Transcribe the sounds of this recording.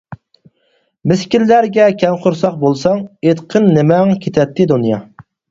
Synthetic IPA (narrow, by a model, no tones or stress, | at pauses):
mɪskʲilːæɾɡʲɛkʲʰɛmqʰʊɾsɑqbolˠsɑŋet̪qʰənːɪmɛŋkʲʰet̪ʰɛt̪ʰːɪd̪unjɑ